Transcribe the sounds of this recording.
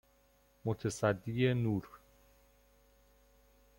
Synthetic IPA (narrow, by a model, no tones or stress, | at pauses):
mot̪ʰæsæd̪ːijenuːɾ